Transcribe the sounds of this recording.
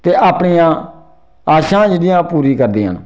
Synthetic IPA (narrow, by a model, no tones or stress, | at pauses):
t̪eːʔaːpɳiːjãː | aːʃãːd͡ʒɪdɪjãːpuːɾiːkəɾd̪iːɦə̰n